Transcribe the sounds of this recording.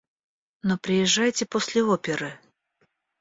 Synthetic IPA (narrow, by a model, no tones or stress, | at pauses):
nopɾʲɪjɪʐːajtʲɪposʲlʲɪopʲɪɾɨ